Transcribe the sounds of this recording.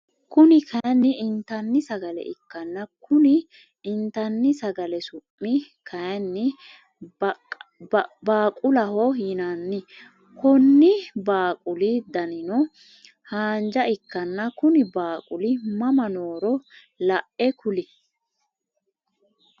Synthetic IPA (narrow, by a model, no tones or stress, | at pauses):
kʊnɪkʰɐjnːɪɪnt̪ɐnːɪsɐɡɐlɛ̰ʔɪkːɐnːɐkʰʊnɪ | ɪnt̪ɐnːɪsɐɡɐlɛsʊpːɪ | kʰɐjnːɪ | baːkʼʊlɐhɔhɪnanːɪ | kʰɔnːɪbaːkʼʊlɪd̪ɐnɪnɔ | haːnd͡ʒɐɪkːɐnːɐkʊnɪbaːkʼʊlɪmɐmɐnoːɾɔ | lɐʔʔɛkʰʊlɪ